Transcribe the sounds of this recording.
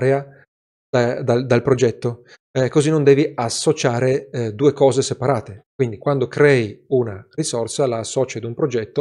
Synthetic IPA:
ɾea | d̪ad̪ald̪alpɾod͡ʒɛt̪ːo | kozinond̪ɛːviasːot͡ʃaːɾed̪uːekɔːzesepaɾaːt̪ekwind̪ikwand̪okɾɛːiunarisorsalaːsːɔːt͡ʃad̪umpɾod͡ʒɛt̪ːo

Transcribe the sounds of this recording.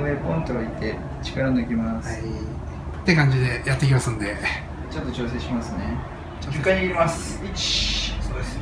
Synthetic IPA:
βepõnt̪oait̪e̞ | t͡ɕi̥kaɾanoikʲimas | t̪ːe̞kãɲ̟d͡ʑid̪e̞jat̪ːek̬ʲimasɨ̃nd̪e̞ | t͡ɕo̞t̪ːo̞t͡ɕo̞ːs̬e̞ːɕimasɨne̞ | od͡ʑɨkːaɲiɾʲimasit͡ɕi̥sod̪es

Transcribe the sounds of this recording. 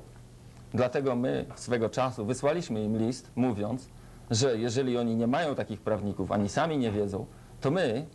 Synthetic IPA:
d̪lat̪ɛɡɔmɘ̰sfɛɡɔt͡ʂasuvɘswalʲiɕmɘimlʲist̪muvʲjɔnt̪s | ʐɛjɛʐɛlʲiɔɲiɲɛmajɔ̃w̃t̪akʲixpɾavɲikufa̰ɲisamʲiɲɛvʲjɛd̪zɔ̰̃w̃ | t̪ɔmɘ

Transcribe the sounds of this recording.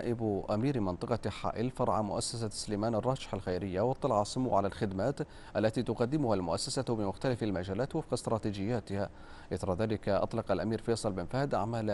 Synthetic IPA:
ʔɪbʔamiːɾmɪnt̪ˤɨqɑħa̰ːʔɪlfɑɾˤʕamʊ̰ʔasːasasʊlajmaːnɑrˤːɑːʃɪ̥ħalxajɾɪjːawɑt̪ˤːɑlʕɑsˤʊmuːʕalalxɪd̪maːt̪ | ʔalːat̪iːt̪ʊqad̪ːɪmʊhalmʊʔasːasabɪmʊxt̪alafalmad͡ʒaːlaːt̪wɪfqɑst̪ɾˤɑːt̪iːd͡ʒɪjːaːt̪ɪha | ʔɪθɾˤɑðaːlɪkaʔɑ̰t̪ˤlɑqalʔamiːɾfeːsˤɨlbɪnfahd̪ʔa̰ʕmaːl

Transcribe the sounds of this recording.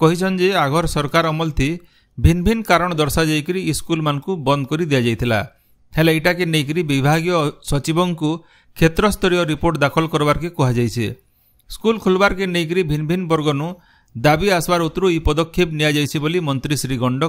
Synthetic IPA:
kɔɦit͡ʃʰɔnd͡ʒeaɡʱɔɾsɔɾkaɾɔmɔlt̪ʰi | bʱinbʱinkaɾɔɽ̃ɔd̪ɔɾsad͡ʒajkiɾiːskulmanɔ̃ŋkubɔnd̪ɔkɔɾid̪ijad͡ʒajt̪ʰila̰ | heleiʈakenejk̬iɾibibʱaɡijɔsɔt͡ʃibɔŋku | kʰet̪ɾɔst̪ʰɔɾijɔɾipoɾʈd̪akʰɔlkɔɾɔbaɾɔkikɔɦad͡ʒajt͡ʃʰḭ | skulkʰulbaɾɔkenejk̬iɾibʱinbʱinbɔɾɡɔnu | d̪abiasbaɾut̪ɾuipɔd̪ɔkʰːibnijad͡ʒajt͡ʃʰibolimɔnt̪ɾisɾiɡɔɳɖɔ

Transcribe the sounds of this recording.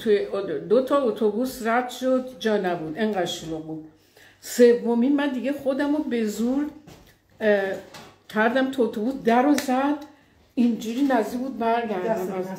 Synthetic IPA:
t̪ʰud̪ot̪ʰɒot̪ʰobusræd̪̥ʃod̪d͡ʒɒːnæbud̪eŋɢæd̪ʃuloɡud | se̞vːominmænd̪iɡeχod̪æmobe̞zuɾ | kʲʰæɾd̪æmt̪ʰuot̪ʰobuːsd̪æɾozæd̪ | ind͡ʒuːɾiːnæzd̪ikbuːd̪̚bæɾɡæɾd̪æmæz

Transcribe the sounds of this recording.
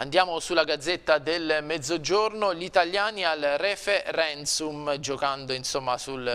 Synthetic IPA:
and̪jaːmosulːaɡad̪zːet̪ːad̪elmɛd̪zːod͡ʒornoʎit̪alːjaːnialreferɛnt̪sumd͡ʒokand̪oinsomːasul

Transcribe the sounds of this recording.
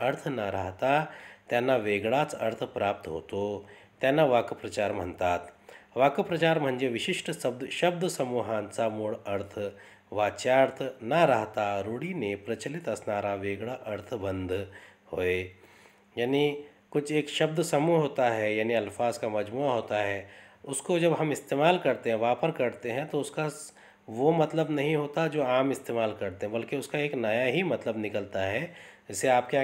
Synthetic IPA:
əɾt̪ʰnəɾəɦt̪at̪janːaʋeːɡɭat͡sɐɾt̪ʰpɾaːp̚t̪ɦo̰ːt̪ot̪janːaʋaːkəpɾɐt͡ʃaːɾm̤ənt̪aːt̪ʋaːkəpɾɐt͡ʃaːɾm̤əɳd͡ʒeʋɪɕiʂʈəsəbd̪ʃɐbd̪ʱəsəmuːɦãnt͡samuɭəɾt̪ʰə | ʋaːt͡ʃaɾt̪ʰnəɾəɦt̪aɾoːɽinepɾɐt͡ʃəlit̪ɐsnaːɾaʋeːɡɭaʔəɾt̪ʰbənd̪ʱhoːe | jaːni | kʊt͡ʃʰeːkʃɐbd̪sɐmuɦoːt̪aɦɛjaːniɐlfaːzkamɐd͡ʒmuːaɦoːt̪aɦɛːʊskod͡ʒɐbɦɐmɪst̪eːmaːlkɐɾt̪eɦɛ̃ʋɐɦãpɐɾkɐɾt̪eɦɛ̃t̪oʊska | ʋomɐt̪ləbnɐɦĩɦoːt̪ad͡ʒoːaːmɪst̪eːmaːlkɐɾt̪eɦɛ̃bɐlkeʊskaeːknɐjaɦimɐt̪ləbnɪkəlt̪aɦɛːd͡ʒɪseaːp̚ka

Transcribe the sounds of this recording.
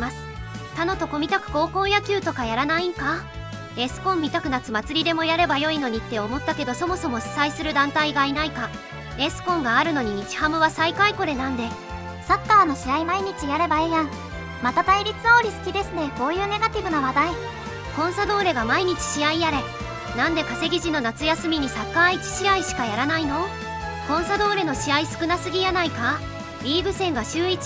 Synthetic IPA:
masɨ̥t̪ano̞t̪o̞ko̞mʲit̪akɯ̟̥ko̞ːko̞ːjakʲɨːt̪o̞kajaɾanaiŋka | esɨ̥kõ̞mːʲit̪akɯ̟nat͡sɨmat͡sɨɾʲid̪e̞mo̞jaɾe̞bajo̞ino̞ɲ̟it̪ːe̞o̞mo̞t̪ːake̞d̪o̞so̞mo̞so̞mo̞ɕi̥saisɨɾɯ̟d̪ãnt̪aiɡainaika | e̞sɨ̥kõ̞ŋɡaːɾɯ̟no̞ɲ̟iɲ̟it͡ɕi̥hamɯ̟βasaikaiko̞ɾe̞nãnd̪e̞ | sakːaːno̞ɕiaimaiɲ̟it͡ɕijaɾe̞baejãŋ | mat̪at̪aiɾʲit͡sɨo̞ːɾʲisɨ̥kʲid̪e̞sɨne̞ko̞ːjɯ̟ːne̞ɡat̪ʲibɯ̟naβad̪ai | kõ̞ɰ̃sad̪o̞ːɾe̞ɡamaiɲ̟it͡ɕi̥ɕiaiaɾe̞ | nãnd̪e̞kase̞ɡʲiʑinːo̞nat͡sɨjasɨmʲiɲ̟isakːaːit͡ɕi̥ɕiaiɕi̥kajaɾanaino̞ | kõ̞ɰ̃sad̪o̞ːɾe̞no̞ɕiaisɨ̥kɯ̟nasɨɡʲijanaika | bʲiːɡɯ̟sẽ̞ŋɡaɕɨːit͡si̥

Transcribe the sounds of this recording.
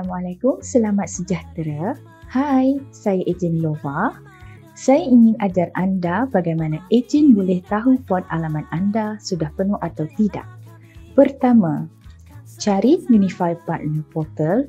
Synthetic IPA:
malakʊmsəlamat̪̚səd͡ʒaht̪ɾa | hajsajaʔed͡ʒɛnlova | sajaiŋɪ̃nad͡ʒarandabaɡajmãnãʔed͡ʒɛnbolɛht̪aɦupɔt̪̚alamãnandasudahpənuhat̪awt̪ida̰ʔ̚ | pərt̪amã | t͡ʃaɾijunifalpat̪̚nəpɔt̪əl

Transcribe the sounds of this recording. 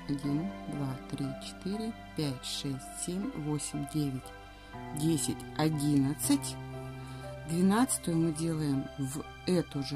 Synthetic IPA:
ɐdʲind̪vat̪ɾʲit͡ɕɪ̥t̪ɨɾʲɪ | pʲætʲʂɛsʲtʲsʲemʲvo̞sʲɪmʲdʲevʲɪtʲ | dʲesʲɪtʲɐdʲinət̪sɨtʲ | d̪vʲɪnat̪sɨ̥t̪əjʊmɨdʲe̞lˠəjɪmv | ɛt̪ʊʐ

